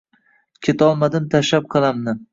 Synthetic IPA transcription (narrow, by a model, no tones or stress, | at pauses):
kʲʰet̪ʰɒlˠmad̪ɪmt̪ʰaʃap̚qʰɨlˠamnɪ